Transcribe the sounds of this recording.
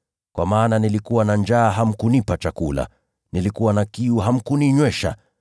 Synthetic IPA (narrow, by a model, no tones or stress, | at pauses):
kwa̰maːnanilikuwanand͡ʒaːɦam̩kunipat͡ʃakula̰ | nilikuwanakiuɦam̩kuniɲwɛʃa̰